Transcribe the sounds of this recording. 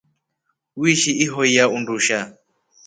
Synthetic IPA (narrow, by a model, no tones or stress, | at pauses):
wiʃiʔiɦɔijaunduʃa